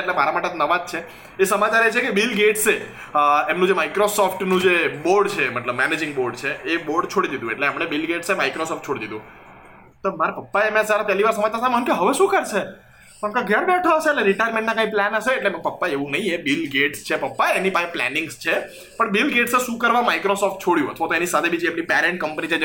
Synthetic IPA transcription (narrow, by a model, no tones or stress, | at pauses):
eʈlemaɾamaʈet̪onəʋad̪̚t͡ʃʰe | esəmat͡ʃaɾet͡ʃʰekebilɡeʈse | emnũd͡ʒemajkɾosɔfʈnũd͡ʒeboɾɖt͡ʃʰeməʈləbmɛned͡ʒɪ̃ŋɡboɾɖt͡ʃʰeːboɾɖt͡ʃʰoɽid̪id̪ũeʈleəmɳ̃ebilɡeʈsemajkɾosɔfʈ̚t͡ʃʰoɽid̪id̪ũ | t̪omaɾapəpːaemãsaɾapjəliʋaɾsəməd͡ʒt̪asamɦənkeɦəʋeʃũkəɾʃʰe | pãmkaɡʱɛɾbeʈʰoəʃeːleɾɪʈajɾmẽɳʈ̚nãkãĩplɛnəʃeːʈleməpəpːaeʋũnəɦĩebilɡeʈst͡ʃʰepəpːaeenipãplɛ̰nɪ̃ŋɡst͡ʃʰe | pəɳbilɡeʈseʃũkəɾʋamajkɾosɔfʈ̚t͡ʃʰoɽjũə̰t̪ʰʋat̪oenisat̪ʰebʱid͡ʒeːmnipɛɾeɳʈ̚kəmpənit͡ʃʰe